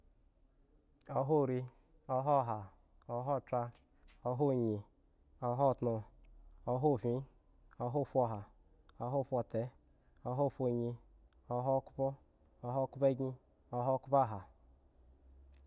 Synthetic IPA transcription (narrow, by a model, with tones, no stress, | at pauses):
o˦ɦo˦˨ɾi˦ | ɔ˦ɦɔ˦˨ɦa˨ | ɔ˦ɦɔ˦˨tɾa˦ | o˦ɦo˦˨ɲi˨ | ɔ˨ɦɔ˦˨tnu˨o˦ɦo˦˨vĩ˦ | o˦ɦo˦˨fɔ˨ɦa˨ | o˦ɦo˦˨fʷɔ˨te˨ | o˦ɦo˦˨fo˨ɲi˧ | ɔ˦ɦo˦ku̥˦pɔ˦ | o˨˦ɦo˦˨ku˦pe˦ɡi˦ | o˦ɦo˦˨ku˦pa˦˨ɦa˨